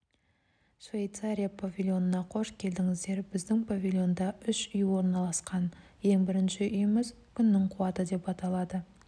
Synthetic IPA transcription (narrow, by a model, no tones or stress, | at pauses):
svʲe̞jt̪saɾijapʰavʲilʲˠjo̞nənɑqʰo̞ʃkʲʰe̞ld̪ɪŋɪzd̪e̞ɾbɪzd̪ɪŋpʰavʲilʲˠjo̞nd̪ɑʏʃʏjwo̞ɾnɑlˠɑsqɑn | je̞ŋbɪɾɪnʃɪʔʏjɪmɪz | kʲʰʏnːɪŋqʰʊwɑt̪əd̪e̞pɑt̪ɑlˠɑd̪ə